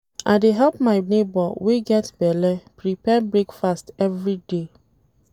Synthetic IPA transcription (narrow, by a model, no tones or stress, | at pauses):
ʔa̰ɪdeɦɛlp̚maɪnebɔweɡɛtbɛlɛpɹipɛbɹekfastɛvɹide